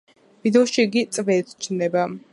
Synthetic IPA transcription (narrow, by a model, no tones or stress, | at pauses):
vid̪ɛɔʃiɡit̪sʼvɛt̪t͡ʃʰnɛba